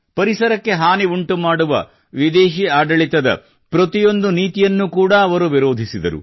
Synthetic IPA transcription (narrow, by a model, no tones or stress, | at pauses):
pɐɾisɐɾɐkːe̞ɦaːniuɳʈumaːɽuʋɐ̰ | ʋid̪eːʃiaːɖɐɭit̪ɐd̪ɐ̰ | pɾɐt̪ijo̞nd̪uniːt̪ijɐnːukuːɽɐːʋɐɾuʋiɾo̞ːd̪ʱisid̪ɐ̰ɾṵ